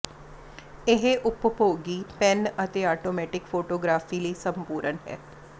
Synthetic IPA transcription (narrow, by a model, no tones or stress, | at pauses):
ɪɦeʔʊppoːɡiːpɛnət̪eːaːʈoːmɛːʈɪkpʰoːʈoːɡɾaːfiːliːsəmpuːɾənɦɛ̰ː